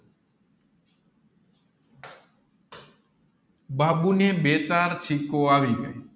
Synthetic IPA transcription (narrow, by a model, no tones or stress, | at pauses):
baːɓuːnẽːɓeːt͡ʃaːɾt͡ʃʰiːkoːaːʋiːɡəiː